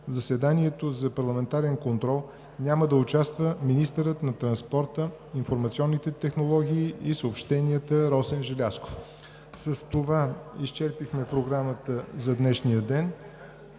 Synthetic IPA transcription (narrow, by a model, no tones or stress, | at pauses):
vzɐsɛd̪aniɛt̪ozɐpɐɾlˠɐmɛnt̪aɾɛnkont̪ɾɔlˠ | nʲaməd̪ɐʊt͡ʃast̪vəminist̪əɾət̪nɐt̪ɾɐnspɔɾt̪ə | infoɾmɐt̪siɔnːit̪ɛt̪ɛxnolˠɔɡʲiːisəopʃt̪ɛniət̪əɾɔsɛnʒɛlʲasko̥f | səst̪ovaist͡ʃɛɾpixmɛpɾoɡɾamət̪əzɐd̪nɛʃnijəd̪ɛn